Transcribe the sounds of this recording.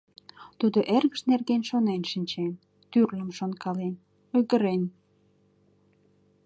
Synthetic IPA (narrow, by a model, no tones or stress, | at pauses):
t̪ud̪oʔerɣəʃnerɣenʃonenʃinʲt͡ɕen | t̪yrləmʃonkɑlen | ojɣəɾen